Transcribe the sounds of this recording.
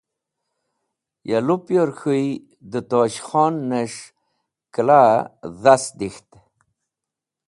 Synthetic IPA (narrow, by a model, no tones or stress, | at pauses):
jalupjoɾxuj | d̪ət̪oɕχɔnːeʂ | klaðasd̪ixt̪